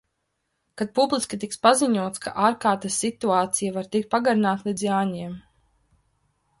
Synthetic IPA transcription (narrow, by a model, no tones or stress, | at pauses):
kad̪̚publˠiskʲit̪ikspaziɲuɔt̪ska̰ʔaːɾkaːɾt̪asːit̪uaːt̪sijavaɾt̪ik̚t̪̚paɡaɾinaːt̪lˠid̪zjaːɲiɛm